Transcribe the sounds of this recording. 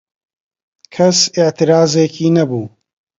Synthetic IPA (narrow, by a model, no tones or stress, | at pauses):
kʰɐsɪʕt̪iɾaːzeːkiːnɐbuː